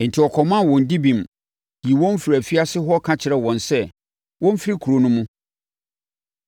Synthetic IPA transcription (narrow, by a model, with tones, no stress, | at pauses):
n̩˨tʰɪ˨ɔ˨kʰɔ˨mã˦wɔ̃˨n˨di˦bĩ˨m | i˨wɔ̃˦m˦fɾæ˨fi˦a˦sɪ˦ɦɔ˦kʰã˦t͡ɕʰɪ˨ɾɛ˦wɔ̃˨nsɛ˦ | wɔ̃˦m˦fɪ˦ɾi˦kʰu˨ɾo˨nʊ̃˦mʊ̃˦